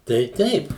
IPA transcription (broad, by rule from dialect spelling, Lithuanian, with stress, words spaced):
tɐɪ ˈtʲɛɪp